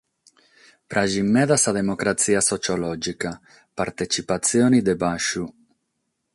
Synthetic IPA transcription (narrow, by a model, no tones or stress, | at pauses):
pɾaʒimːɛðasad̪emokɾat̪siasot͡ʃolɔd͡ʒika | paɾt̪et͡ʃipat̪sjonid̪ebaʃu